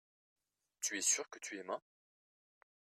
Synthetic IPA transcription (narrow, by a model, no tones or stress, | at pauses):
t̪yɛsyʁkət̪ʰyɛmã